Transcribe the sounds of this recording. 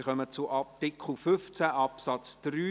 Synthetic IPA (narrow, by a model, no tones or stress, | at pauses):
ɾχœmət͡sʊʔɑtɪkʰχl̩ˠfʏft͡sæʔɑpsɑt͡sd̥ryː